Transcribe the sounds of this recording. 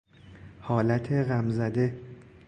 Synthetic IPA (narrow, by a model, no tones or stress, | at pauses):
hɒːlæt̪ʰeɣæmzæd̪e̞